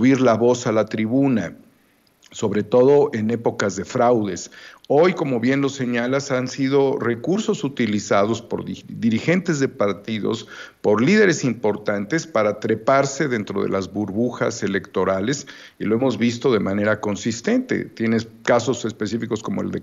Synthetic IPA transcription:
uβiɾlaβo̞salat̪ɾiβuna | so̞βɾe̞t̪o̞ðo̞ʔe̞ne̞po̞kazðe̞fɾawðe̞so̞jko̞mo̞βje̞nlo̞se̞ɲalasansiðo̞re̞kuɾso̞sut̪ilisað̞o̞spo̞̰ɾððiɾixent̪e̞zðe̞paɾt̪iðo̞̰spo̞ɾlið̞e̞ɾe̞simpo̞ɾt̪ant̪e̞spaɾat̪ɾe̞paɾse̞ðent̪ɾo̞ð̞e̞̰lazβuɾβuxa̰se̞le̞kt̪o̞ɾale̞s | ilo̞emo̞zβist̪o̞ðe̞mane̞ɾako̞nsist̪e̞nt̪e̞̰t̪je̞nekaso̞se̞spe̞sifiko̞skomoḛld̪ḛ

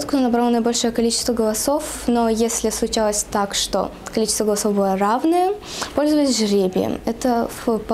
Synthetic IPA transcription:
t̪kʊnonɐbɾlˠnəjbolʲʂojəkɐlʲit͡ɕɪst̪vəɡəlˠɐso̞f | nojesʲlʲɪslˠʊt͡ɕalˠəsʲt̪akʂt̪o̰kɐlʲit͡ɕɪ̥st̪vəɡəlˠɐsovbɨlˠəravnɨjə | polʲzʊvəjɪsʲʐɾʲebʲɪə̰mɛt̪əfp

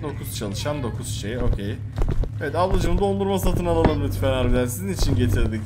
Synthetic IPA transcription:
d̪o̞kʰuz̥t͡ʃʰalˠɯʃand̪o̞kʰuz̥ʃejo̞ːcʰej | evɛt̪avlˠad͡ʒɯmd̪o̞nd̪uɾmas̬at̪ʰɯnalˠalˠɯmmyt̪ʰfenaɾbid̪ʲænsizinit͡ʃʰinɟe̞t̪ʰiɾd̪ic

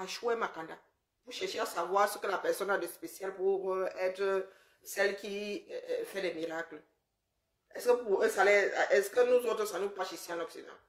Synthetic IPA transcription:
aʃuɛmãkãda | puʃɛʃeasavwasəkəlapɛsɔnadespesjalpuɛtɾə | sɛlkifɛdɛmiɾaklə | ɛskəpuesalɛɛskənũzotɾəsanũpaʃisĩãlɔpsina̰l

